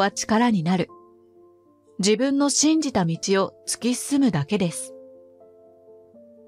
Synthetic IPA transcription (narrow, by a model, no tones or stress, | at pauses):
at͡ɕi̥kaɾaɲ̟inaɾɯ̟ | d͡ʑibɯ̟̃nːo̞ɕĩɲd͡ʑit̪amʲit͡ɕio̞t͡sɨ̥kʲisɨmɯ̟d̪ake̞d̪e̞sɨ̥